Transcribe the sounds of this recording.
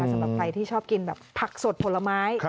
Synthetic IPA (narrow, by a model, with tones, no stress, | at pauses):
a˦˩sa˦mɾa˨˩p̚kʰɾa˧jt̪ʰiː˥˩t͡ɕʰɔː˥˩p̚ki˧nbɛː˨˩p̚pʰːa˨˩k̚so˨˩t̪̚pʰo˧˥la˧maː˦˥j